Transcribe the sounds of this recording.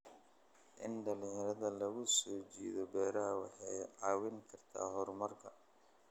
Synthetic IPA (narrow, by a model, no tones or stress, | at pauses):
ʔɪnɖɐlijɐɾɐðɐlɐɣʊsɔːt͡ʃiːðɔbɛːɾɐɦɐwɑ̰ħɑjʕɑːwɪŋkʰɐrt̪ʰa̰ːɦɔrmɐrkʰɐ